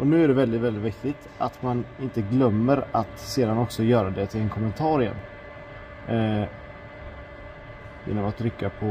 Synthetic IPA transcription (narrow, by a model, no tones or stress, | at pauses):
ʔɔnʉ̟ːæɖɛvɛld̪ɪt̪vɛldɪt̪vɪkt̪ɪt̪at̪manɪnt̪əɡlœmːəɾat̪seːd̪anɔksɔjœːɾad̪ɛt̪ʰɪlɛnkʰɔmːɛnt̪ʰɑːɾɪɛ̰n | jḛːnːɔmat̪ʰːɾʏkːapʰɔ